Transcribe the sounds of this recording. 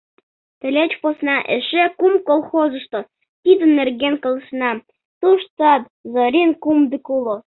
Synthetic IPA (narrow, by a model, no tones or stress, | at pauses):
t̪ɘ̆lʲet͡ɕposnɑʔeʃekumkolˠxozə̆ʃt̪o | t̪id̪ə̆nːerɣenkə̆ləʃnɑ | t̪uʃt͡sɑt̪ | zoɾʲinkumd̪əkulo